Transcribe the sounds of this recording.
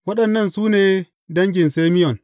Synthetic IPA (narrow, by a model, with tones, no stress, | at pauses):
wɐ˦ɗɐ˨nːɐ˦˨nsuː˦neː˨ | dɐ˦ŋɡʲɪ˨nseː˦mɪ˦jɔ˨n